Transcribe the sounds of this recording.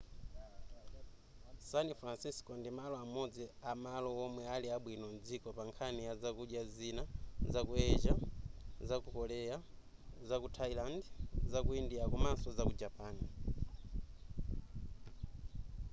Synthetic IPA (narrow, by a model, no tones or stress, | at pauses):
sanifɾansiskɔndimalɔamɔd͡ziamalɔɔmwɛaliaɓwinɔnd͡zikɔpaŋkʰaniazakuɗjazinazakuɛd͡ʒazakukɔlɛja | zakutʰailandzakuindiakumansɔzakud͡ʒapaːni